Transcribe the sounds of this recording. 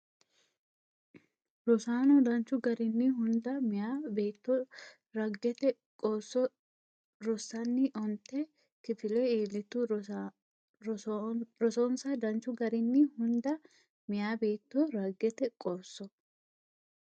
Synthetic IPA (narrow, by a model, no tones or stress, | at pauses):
ɾɔsaːnɔd̪ɐnt͡ʃʊɡɐɾɪnːɪhʊnd̪ɐmɪjaːbe̞ːt̪ːɔ | ɾɐɡːɛt̪ɛ | kʼɔsːɔ | ɾɔsːɐnːɪʔɔnt̪ːɛ | kɪfɪlɛiːlːɪt̪ːʊ | ɾɔsoːnsɐd̪ɐnt͡ʃːʊɡɐɾɪnːɪhʊnd̪ɐ | mɪjaːbe̞ːt̪ːoɾɐɡːɛt̪ɛkʼɔɾsːɔ